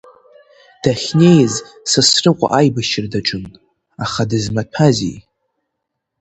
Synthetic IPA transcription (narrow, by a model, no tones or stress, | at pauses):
d̥aχʲnʲe̞jz | sɨsrɨqʷʼa̰ʔajbaʃɪrdaʈ͡ʂʰʼʊnʼ | aχadɨzmapʰazḭj